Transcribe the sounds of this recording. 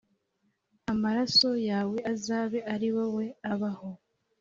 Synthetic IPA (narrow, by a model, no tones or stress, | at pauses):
amaɾaso̞jaːwe̞azaːβe̞ʔaɾiwowe̞aβaho̞